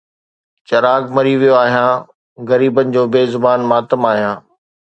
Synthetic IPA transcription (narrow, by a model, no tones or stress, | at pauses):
t͡ɕɐɾaːɡmɐɾiʋijoaːɦijãː | ɣɐɾiːbənɪ̆d͡ʑoːbeːzʊbaːnmaːt̪əmaːɦijãː